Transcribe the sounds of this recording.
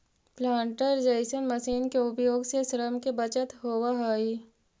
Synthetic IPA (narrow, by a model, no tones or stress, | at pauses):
plãːɳʈəɾd͡ʒəɪsənməsiːnkeʊpjoːɡsesɾəmkebət͡ʃət̪ɦoːwaɦaːiː